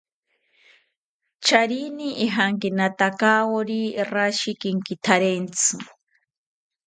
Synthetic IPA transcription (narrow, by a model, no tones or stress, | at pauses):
t͡ʃʰaɾiniːɦaŋkinat̪akawoɾiraʃikiŋkit̪ʰaɾent͡sʰɨ